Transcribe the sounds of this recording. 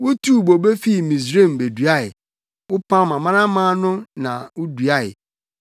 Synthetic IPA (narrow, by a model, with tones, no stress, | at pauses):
wʊ˦tʰu˦˨bo˨be˦fi˦˨mĩ˨s̬ɾẽ˦˨m˨be˨du˨a˦ɪ˨ | wʊ˦pʰã˦mã˨mã˦nã˦mãː˦nʊ̃˦nã̰˨wʊ˦du˨a˦˨ɪ˨